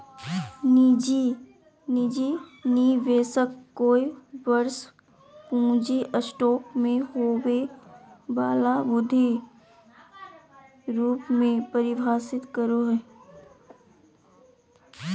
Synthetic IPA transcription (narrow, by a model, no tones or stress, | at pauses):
nid͡ʒi | nid͡ʒiniʋeːsəkːkːoːibəɾs | kũːd͡ʒiʔəsʈɔːkmẽɦoːwe | baːlabʊd̪ʱːi | ɾuːpmẽpəɾɪbʱaːsɪt̪kəɾoɦɛː